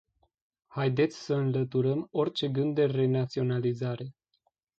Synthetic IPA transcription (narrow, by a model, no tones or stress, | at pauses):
hajd̪e̞t̪sʲsəɨnlət̪uɾəmo̞rʲt͡ʃe̞ɡɨnd̪ːe̞re̞nat̪sio̞nalizaɾe̞